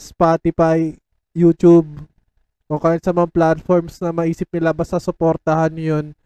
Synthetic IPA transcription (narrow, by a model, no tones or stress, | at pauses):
spaːt̪ɪpajː | ut̪ub̚ | ʔokaːjɪnsɐmɐŋaplat̪foɹmsnɐmɐʔiːsɪp̚nɪlabast̪ɐsʊpo̞ːɾt̪ɐhanjon